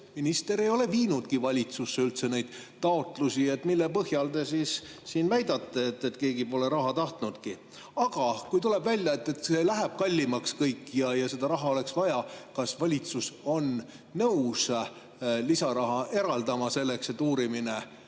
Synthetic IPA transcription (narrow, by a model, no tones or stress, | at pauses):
minist̪e̞ɾejo̞le̞viːnud̪̥kivɑlʲit̪susːe̞ylt̪se̞nejd̪̥t̪ɑo̞t̪ˑlusie̞t̪ːˑmilːepɤɦjɑld̪e̞sissiːnvæjd̪̥ɑt̪ˑːeet̪ːet̪ke̞ːɡipo̞le̞ɾɑɦɑt̪ɑht̪nud̪̥ki | ɑɡ̥ɑkujt̪ule̞bvælʲjɑe̞t̪ːe̞t̪se̞læɦeb̥kɑlʲːimɑkskɤjkːˑjɑjɑse̞d̪̥ɑɾɑɦɑo̞leksvɑjɑkɑsvɑlʲit̪suso̞nː | ɤws | lisɑɾɑɦɑʔe̞ɾɑld̪ɑmɑse̞lːe̞kse̞t̪ːuːɾimine